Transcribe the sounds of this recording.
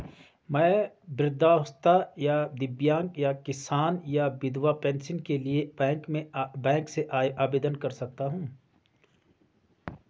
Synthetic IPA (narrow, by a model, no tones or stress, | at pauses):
mɛ̃ː | bɾɪd̪ːaːʊst̪ajad̪ɪbjãːŋkjakɪsaːnjabɪd̪wapɛ̃ːnsɪ̃ŋkelieɛ̃ːŋkmẽbɛ̃ːŋkseʔaːbeːd̪ənkɐɾsɐk̚t̪aɦũː